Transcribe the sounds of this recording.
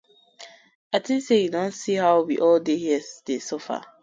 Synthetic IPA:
atĩnsejudõnsiɦaʊwiʔɔldehiɛdesɔfa̰

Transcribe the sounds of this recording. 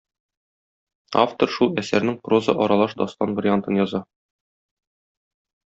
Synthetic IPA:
a̰ft̪oɾʃulˠæsæɾnɘŋprozɤ̰ʔɒɾɑlˠɑʃd̪ɒst̪ɑnbɾʲɪant̪ɤnjɒzɑ

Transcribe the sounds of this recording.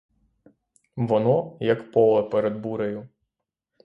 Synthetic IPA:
ʋɔnɔjɐkpɔlˠɐpeɾed̪buɾɐjʊ

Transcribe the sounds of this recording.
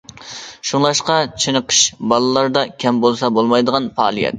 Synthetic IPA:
ʃuŋlˠɑʃqɑt͡ʃʰenəqʰə̥ʃbɑlˠɨlˠɑɾd̪ɑkʲʰɛmbolˠsɑbolˠmɑjd̪əʁɑnfɑːlˠijɛ̰t̪̚

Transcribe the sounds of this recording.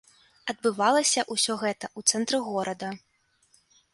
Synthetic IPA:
ɐd̪̚bɨvalˠɐsʲɐʔusʲɔɣɛt̪ɐʔut̪sɛnt̪ɾɨɣɔɾʔɐd̪ɐ

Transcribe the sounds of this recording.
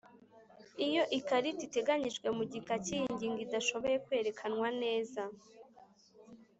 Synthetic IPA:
ijo̞ʔikaɾitite̞ɡaɲiʒɡwe̞muɟikacijiɲɟiːŋɡidaʃo̞βo̞je̞kwe̞ːɾe̞kʰanŋwane̞ːza

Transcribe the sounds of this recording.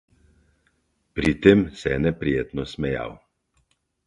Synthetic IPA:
pɾit̪eːmsɛnɛpɾijeːt̪nɔsmɛja̰w

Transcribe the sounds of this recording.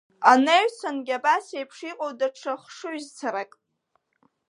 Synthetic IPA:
aneɥt͡sʰanɡʲabasejpʰʂiqʼowdaʈ͡ʂʰaχʂɨɥzt͡sʰaɾakʼ

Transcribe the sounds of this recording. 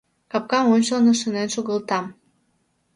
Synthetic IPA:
kɑp̚kɑmonʲʃolnoʃə̆nenʃuɣəlt̪ɑm

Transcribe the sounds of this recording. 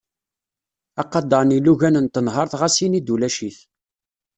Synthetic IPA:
ɑqɑd̪ɑɾniluʝænənt̪ːənɦəɾˤθʁæsinid̪ulæʃiç

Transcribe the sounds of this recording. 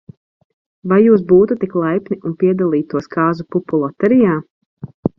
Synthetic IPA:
vajjːuːs̬buːt̪ut̪iklˠajpniʔunpiɛd̪alˠiːt̪uɔskaːzupupulˠɔt̪ɛɾijaː

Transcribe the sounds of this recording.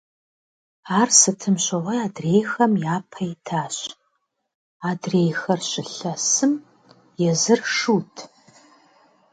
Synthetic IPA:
aːrsɨtʰɨmɕɐʁʷɐaːdreːjxɐmjaːpʰɐjtʰaːɕ | aːdreːjxɐrɕɪɬɐsɨm | jɛzɨrʂuːtʰ

